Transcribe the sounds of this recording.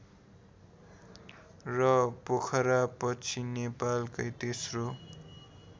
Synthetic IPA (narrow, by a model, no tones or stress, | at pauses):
rʌpokʰʌɾapʌt͡sʰinepalkʌjt̪esro